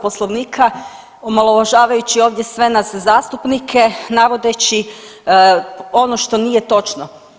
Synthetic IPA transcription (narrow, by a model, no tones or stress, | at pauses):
po̞slˠoʋniːkʰa | omalˠoʋaʒaːʋajut͡ɕio̞ːʋd̪je̞sʋe̞naszaːst̪upnikʰe̞naʋo̞d̪et͡ɕi | o̞noʃt̪o̞nije̞t̪o̞t͡ʃno